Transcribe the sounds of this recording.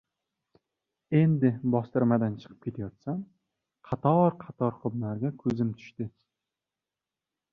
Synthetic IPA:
e̞nd̪ɪbɒst̪ɪɾmad̪ant͡ʃʰɨ̥qʰɨ̥p̚kʲʰe̞t̪ʰajɒt̪sam | qʰɑt̪ʰɒɾqʰɑt̪ʰɒɾχʊbnaɾɡʲakʰɵzɪmt̪ʰʊ̥ʃt̪ɪ

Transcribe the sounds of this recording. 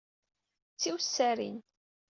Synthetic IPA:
t͡sːiwsːæɾḭn

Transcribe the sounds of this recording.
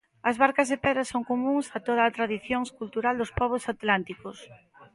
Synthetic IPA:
ɐzβaɾkɐzðepɛðɾɐsoŋkomũŋsat̪oð̞aːt̪ɾaðiθjoŋskult̪uɾald̪ospɔβ̞osat̪lant̪ikos

